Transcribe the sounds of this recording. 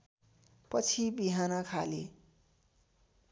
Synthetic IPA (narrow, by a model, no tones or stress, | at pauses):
pʌt͡sʰibiɦanʌkʰale